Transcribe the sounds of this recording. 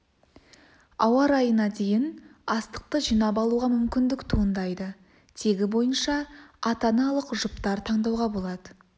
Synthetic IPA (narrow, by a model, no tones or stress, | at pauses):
ɑwɑɾɑjənɑd̪e̞jɪnɑst̪ə̥q̚t̪əʒijnɑpɑlˠuʁɑmʏmkʲɪnd̪ɪkt̪ʰuənd̪ɑjd̪ə | t̪ʰe̞ɡʲɪbo̞jənʃɑɑt̪ɑnɑlˠəqʒʊpt̪ɑɾt̪ʰɑɴd̪ɑwʁɑbo̞lˠɑd̪ə